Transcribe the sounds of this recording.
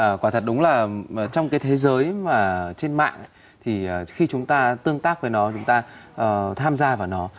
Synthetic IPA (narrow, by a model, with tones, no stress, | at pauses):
ʔə˨˩kwaː˧˩t̪ʰə˨˩t̚ɗʊ˨˦ŋ͡mlaː˨˩˨t͡ɕɔ˧wŋ͡mkaː˨˦jt̪ʰe˨˦zəː˨˦jmaː˨˩t͡ɕe˧nma̰ː˧˨ŋ | t̪ʰi˨˩ə˨˩xi˧t͡ɕʊ˨˦ŋ͡mt̪aː˧t̪ɨ˧əŋt̪aː˦˥k̚vəː˨˦jnɔ˨˦t͡ɕʊ˨˦ŋ͡mt̪aː˧ʔəː˨˩t̪ʰaː˧mzaː˧vaː˨˩wnɔ˨˦